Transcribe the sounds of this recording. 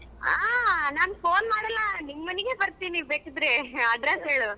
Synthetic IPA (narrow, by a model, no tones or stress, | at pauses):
aːnaːnpoːnmaːɽɐlːɐniŋmɐneɡeːbɐɾt̪iːnibeːkid̪ɾeɐɖɾesɦeːɭu